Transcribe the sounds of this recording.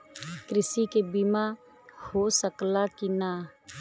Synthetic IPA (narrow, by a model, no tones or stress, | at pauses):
kɾɪsikebima | hoːsəklakinaː